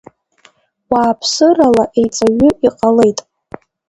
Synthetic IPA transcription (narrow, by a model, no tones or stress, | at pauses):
waːpʰsɨralaʔe̞jt͡sʼaɥʏiqʼale̞jtʼ